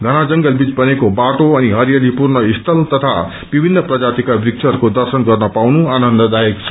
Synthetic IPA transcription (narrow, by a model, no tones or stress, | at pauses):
ɡʱʌɽ̃ad͡zʌŋɡʌlbit͡sbʌnekobaʈoʌniɦʌɾijalipurnʌist̪ʰʌlt̪ʌt̪ʰa | b̥ibʱinːʌprʌd͡zat̪ikabrik̚t͡sʰʌrkod̪ʌrsʌnɡʌrnʌpawnuanʌnd̪ʌd̪ajekt͡sʰʌ̥